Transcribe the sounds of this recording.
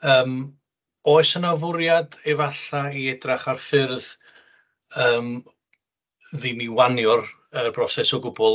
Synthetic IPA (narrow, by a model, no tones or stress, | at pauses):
əːm | oːɨsənavʊɾjadɛvaɬaiɛdraχarfɪrð | əːm | ðiniwanjɔr | ərb̥rɔsɛsɔɡʊbɔlˠ